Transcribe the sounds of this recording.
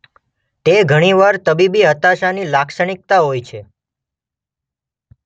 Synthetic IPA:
t̪eɡʱəɽ̃iʋaɾt̪əbibiɦət̪aʃanilakʃəɳ̃ɪk̚t̪aɦojt͡ʃʰe

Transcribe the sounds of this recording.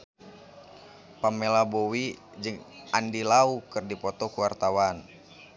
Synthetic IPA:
pamɛlabowi | d͡ʒɨŋandilaukɨrdipɔt̪ɔkuwart̪awan

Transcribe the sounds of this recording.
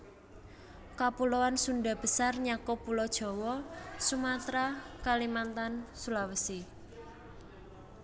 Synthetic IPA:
kapuloansundɖa̤b̥ə̤sarɲakɔpulɔd̥ʒ̥ɔ̤wɔsumat̪ɾakalimant̪ansulawəsi

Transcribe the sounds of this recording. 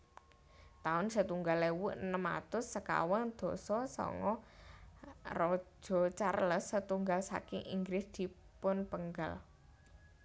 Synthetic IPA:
t̪aʊnsət̪uŋɡalewʊʔnəma̰t̪ʊsːəka̰wɔnd̪̥ɔ̤sɔsɔ̰ŋɔ | rɔ̥d͡ʒʒ̥ɔ̤t͡ʃarləsːət̪uŋɡalsa̰kɪŋʔḭŋɡɾɪsd̪̥i̤ | pʊnpəŋɡal

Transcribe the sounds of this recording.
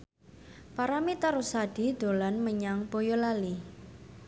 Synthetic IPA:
paɾamit̪aɾusaɖ̥i̤d̪̥o̤lanməɲaŋpojolali

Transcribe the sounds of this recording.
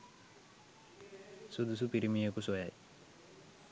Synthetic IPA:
sud̪usupiɾimijokːusɐja̰ːj

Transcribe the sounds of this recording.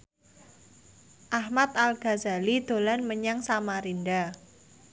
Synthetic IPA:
ʔahmat̪̚alɡ̥a̤za̤lid̪̥o̤lanməɲaŋsamaɾinɖa

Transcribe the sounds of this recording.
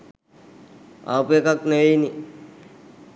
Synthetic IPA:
a̰ːpuekaknəejni

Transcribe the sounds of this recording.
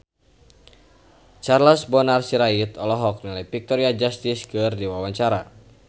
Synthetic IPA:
t͡ʃarlɔsbɔnarsiɾait̪ɔlɔɦɔk̚nilajpik̚t̪ɔɾiad͡ʒast̪iskɨrdiwawaɲt͡ʃaɾa

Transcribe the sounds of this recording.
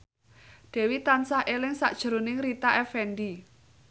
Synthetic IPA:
d̪̥ɛ̤wit̪ansahʔelɪŋsa̰ʔd̥ʒ̥ə̤ɾonɪŋrit̪aʔɛfɛnɖi

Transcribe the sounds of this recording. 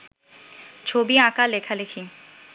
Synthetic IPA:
t͡ɕʰobiãkalekʰalekʰi

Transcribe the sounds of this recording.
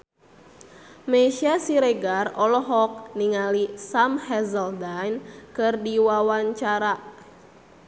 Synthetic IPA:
meʃiasiɾeɡarɔlɔɦɔk̚niŋalisamhɛzəldajnkɨrdiwawaɲt͡ʃaɾa

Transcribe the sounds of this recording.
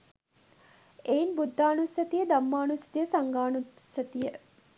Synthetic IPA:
ejinbud̪ʱːaːnusɐt̪ijəd̪amːaːnusɐ̥t̪ijəsaŋɡaːnusɐt̪ijə

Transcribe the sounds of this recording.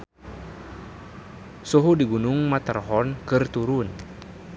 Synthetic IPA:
suɦudiɡunuŋmat̪arɦɔnkɨrt̪uɾun

